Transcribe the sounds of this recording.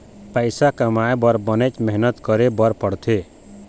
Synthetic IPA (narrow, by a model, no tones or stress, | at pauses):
pajsakamaẽbɔɾbɔnet͡ʃmɛɦnət̪kɔɾebɔɾpɔɽt̪ʰe